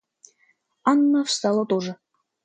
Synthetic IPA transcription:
ɑnːɤ̆fst̪ɑlˠɤ̆t̪oʐɤ̆

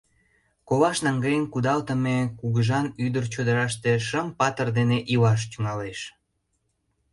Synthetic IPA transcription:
koβɑʃnɑŋɡejənkud̪ɑlt̪ə̆mekuɣəʒɑnyd̪ərt͡ɕod̪əɾɑʃt̪eʃəmpɑt̪ərd̪eneʔilɑʃ̬t̪yŋɑleʃ

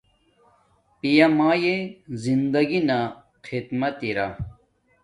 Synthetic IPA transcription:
pijɐmaːjezind̪ɐɡina | qʰit̪mɐt̪iɾa̰

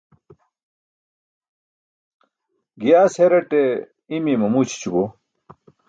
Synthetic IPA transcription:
ɡijaːsheɾɐʈe | imimɐmut͡ɕʰt͡ɕubo

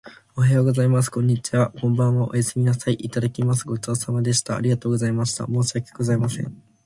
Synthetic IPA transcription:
o̞ɦajo̞ɡo̞zaimas̬ɨ̥kõ̞ɲ̟ːit͡ɕiβakõ̞mbãɰ̃βaʔo̰jasemʲinasaiʔit̪ad̪akʲimas̬ɨɡo̞t͡ɕo̞ːsamad̪e̞ɕi̥t̪a̰ːɾʲiɡat̪oːɡo̞zaimaɕi̥t̪a̰mo̞ːsakʲi̥ɡo̞zaimasẽ̞̰ɴ

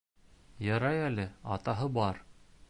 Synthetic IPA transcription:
jɑɾɑjælɘɑ̰t̪ɑɦɤbɑɾ

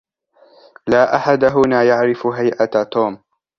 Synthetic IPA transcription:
laːʔaħad̪aɦʊnaːjaʕɾɪfʊɦajʔat̪oːm

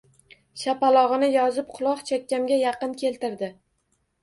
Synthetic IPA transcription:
ʃapalˠɒʁɨnɪjɒzɪp̚qʰʊlˠɒqt͡ʃʰakʲːamɡʲajɑqɨnkʲʰe̞lt̪ɪɾd̪ɪ

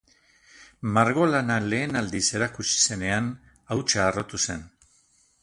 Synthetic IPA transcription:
maɾɣo̞lanale̞ːnald̪ise̞ɾakut͡ʃi̥se̞ne̞an | awt͡ʃaːro̞t̪use̞n

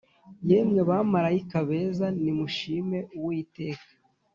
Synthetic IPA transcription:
jemɲeβamaɾajikaβe̞ːzanimuʃime̞uwuite̞ːkḁ

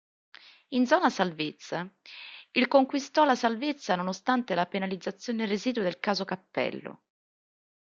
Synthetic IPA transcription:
ind̪zɔːnasalvet̪sːa | ilkoŋkwist̪ɔlasalvet̪sːanonost̪ant̪elapenalid̪zːat̪sːjoːnereziːd̪uod̪elkaːzokapːɛ̰lːo̰

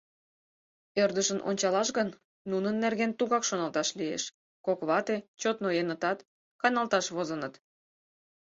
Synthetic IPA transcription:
ørd̪əʃənʔo̰nʲt͡ɕɑlɑʃɣənː | unənːerɣent̪uɣɑkʃonɑlt̪ɑʃliḛʃ | kokβɑt̪et͡ɕot̪nojenət̪ɑt̪ | kɑnɑlt̪ɑʃβozənət̪

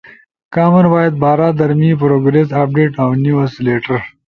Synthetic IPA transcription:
kaːmɐnwɑːjɐd̪̚bɑːɾaːd̪ɐɾmip̬ɾoɡɾesaːp̚ɖeːʈawniwɐsleːʈɐɾ

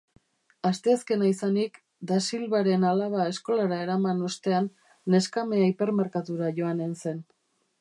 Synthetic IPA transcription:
ast̪e̞aske̞naisanik | d̪asilβaɾe̞nalaβ̞ae̞sko̞laɾae̞ɾamano̞st̪e̞anː | e̞skame̞aipe̞ɾme̞ɾkat̪uɾaʝo̞anense̞n

